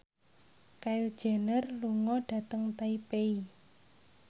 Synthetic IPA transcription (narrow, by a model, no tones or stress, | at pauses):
kaɪld̥ʒ̥ɛ̤nərluŋɔɖ̥a̤t̪əŋt̪aipei